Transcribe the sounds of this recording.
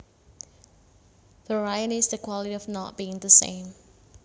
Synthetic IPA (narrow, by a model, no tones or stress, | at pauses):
vəɹaɪəɾisðəkʰwɔliɾiɔvnɔt̚b̥iɪ̃ŋðəsḛ̃ɪ̃m